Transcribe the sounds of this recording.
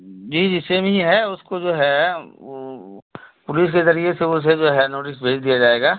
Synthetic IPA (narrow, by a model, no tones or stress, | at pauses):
d͡ʒiːd͡ʒɪsemĩɦɛʊskod͡ʒoːɦɛ | pʊlɪskezɐɾieseʊs̬ed͡ʒoːɦɛnoːʈɪsbʱeːd͡ʒd̪ijad͡ʒaːeːɡaː